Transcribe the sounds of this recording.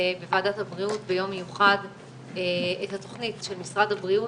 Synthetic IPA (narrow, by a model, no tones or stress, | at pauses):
bevaːdathabʁiutbejo̞mːejuχad | eethato̞χnitʃelmisʁadhabʁiu